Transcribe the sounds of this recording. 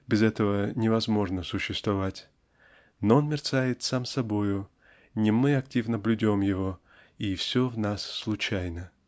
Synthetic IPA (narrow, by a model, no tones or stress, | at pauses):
bʲɪzɛt̪əvənʲɪvɐzmo̞ʐnəsʊɕːɪst̪vɐvatʲ | noonmʲɪrt̪sajɪt̪samsɐbo̞jʊ | nʲɪmɨɐk̚tʲivnəblʲʊdʲomjɪvo̞ | ifsʲovnasːlˠʊt͡ɕæjnə